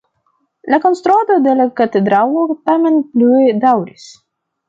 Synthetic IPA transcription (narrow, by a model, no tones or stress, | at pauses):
lakɔnst̪ɾuad̪od̪elʲakat̪ed̪ɾalˠoɾt̪amʲɛnplʲued̪awɾʲis